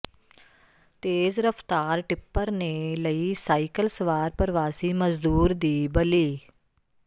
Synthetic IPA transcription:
t̪eːzɾəft̪aːɾʈɪpːəɾneləisaːɪkəlsəʋaːɾpəɾʋaːsiməzd̪uːɾd̪iːbəliː

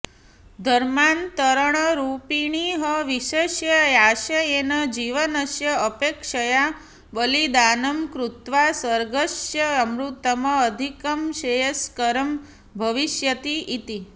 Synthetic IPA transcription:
d̪ʱəɾmant̪əɾəɳ̃əɾupiɳ̃iɦəʋiʃeʃjəjaʃəjenəd͡ʒiʋənəʃjəəpekʂəja | bəlid̪anəmkɾut̪ʋasəɾɡəʃjəːmɾut̪ːəməːd̪ʱikəmʃejəskəɾəm | bʱəʋiʃjət̪iʔit̪i

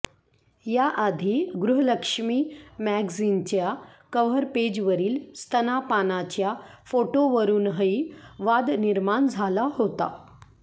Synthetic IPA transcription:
jaʔad̪ʱiːɡɾuɦələkʂmiːmæɡzint͡ɕjakəʋəɾped͡ʑʋəɾiːlst̪ʰənapanat͡ɕjafoʈoʋəɾuːnɦəiʋad̪niɾmand͡zʱalaɦot̪a̰

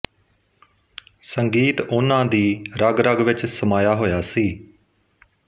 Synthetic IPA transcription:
səŋɡiːt̪ʊnãːd̪iːɾəɡɾəɡʋɪt͡ʃsəmaːjaːɦoːjaːsiː

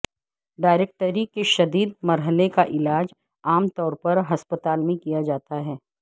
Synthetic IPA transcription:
ɖaːɪɾeːk̚ʈəɾikeʃɐd̪iːd̪̚mɐɾɦəlekaʔɪlaːd͡ʒ | aːmt̪ɔːɾpɐɾɦɐspət̪aːlmẽkijad͡ʒaːt̪aɦɛː

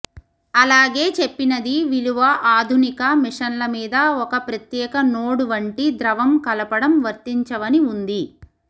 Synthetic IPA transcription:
ɐlaːɡe̞ːt͡ʃe̞pːinɐd̪iʋiluʋɐʔaːd̪ʱunikɐmiʂɐnlɐmiːd̪ɐɔkɐpɾɐt̪jɛːkɐnoːɽuʋɐɳʈid̪ɾɐʋɐmkɐlɐpɐɽɐmʋɐɾt̪iɲt͡ʃɐʋɐniund̪i

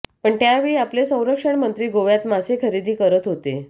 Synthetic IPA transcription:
pəɳt̪jaʋiːaplesə̃w̃ɾəkʂəɳmənt̪ɾiːɡoʋjat̪masekʰəɾid̪ʱiːkəɾət̪ɦot̪e

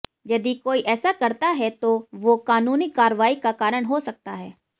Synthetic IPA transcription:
jɐd̪ikoːiʔɛːsakɐɾt̪aɦɛt̪oʋokaːnuːnikaːɾəʋaːikakaːɾəɽ̃ɦosɐk̚t̪aɦɛː

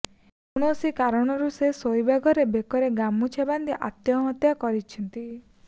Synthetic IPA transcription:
uɽ̃osikaɾɔɽ̃ɔɾusesojbʱaɡɔɾebekɔɾeɡamut͡ʃʰaband̪iʔat̪jɔɦɔt̪jakɔɾit͡ʃʰɔnt̪i

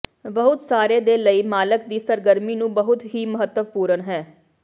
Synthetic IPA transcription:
bəɦʊt̪saːɾeːd̪eːləiːmaːləkd̪iːsəɾɡəɾmiːnũːbəɦʊt̪ɦiːməɦət̪ːəʋpuːɾənɦɛː

